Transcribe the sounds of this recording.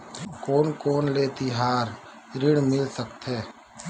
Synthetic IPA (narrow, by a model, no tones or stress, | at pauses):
koːnkoːnleːt̪iɦaːɾ | ɾɪɽmɪlsəkt̪ɦɛː